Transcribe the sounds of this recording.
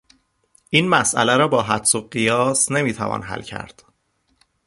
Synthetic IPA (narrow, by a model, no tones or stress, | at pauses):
ʔiːnmæsʔæ̰læɾɒːbɒːɦæt̪soɢijɒːsne̞miːt̪ʰævɒ̰ːnɦæ̰lcʰæ̰ɾd̪̥